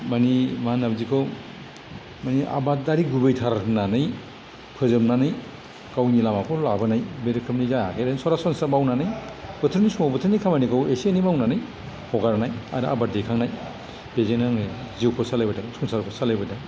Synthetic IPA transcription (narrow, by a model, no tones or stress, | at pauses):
manimanabzikʰɔw | mania̰bat̚daɾiɡubejtʰaɾatʰnanɯj | pʰɯzɯmnanɯj | kawnilamakʰɔlabɯnajbeɾkʰɯmnizajakʰeɾensɔɾasɔnsamawnanɯjb̥ɯtʰɾnismabɯtʰɯnikʰamanikʰawesienimawnanɯj | hʰɔɡaɾnaja̰ɾaa̰bat̚dekʰaŋnaj | b̥ezenaŋnɯj | ziwpʰɔsalajbɐdaŋsunsaɾpʰɔsalajbɐda